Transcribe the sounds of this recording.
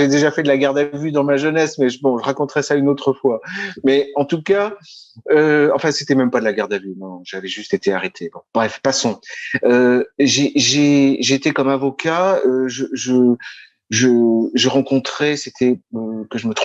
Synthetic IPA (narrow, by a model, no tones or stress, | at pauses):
ʒed̪eʒafɛd̪əlaɡaʁd̪avyd̪ɑ̃maʒənɛsmɛʒəbɔ̃ʒəʁakɔ̃t̪χɛsaynot̪χəfwamɛɑ̃t̪uka | øɑ̃fɛ̃set̪ɛmɛmpad̪əlaɡaʁd̪avynɛ̃nɔ̃ʒavɛʒyst̪et̪eaʁet̪ʰebɔ̃b̥ʁɛfpasɔ̃øʒeʒeʒeːt̪ekɔmavɔkaøʒəʒə | ʒəʒəʁɑ̃kɔ̃t̪χɛset̪ʰɛøkəʒəmət̪χ